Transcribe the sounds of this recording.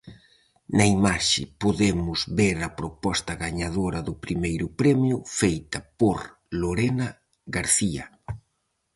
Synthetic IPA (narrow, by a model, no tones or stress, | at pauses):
nɐimaʃɪ̰poðemʊzβeɾɐpɾopɔst̪ɐɣaɲaðoɾɐðʊpɾimejɾʊpɾɛmjʊfejt̪ɐpoɾ | loɾenɐ | ɣaɾθiɐ̰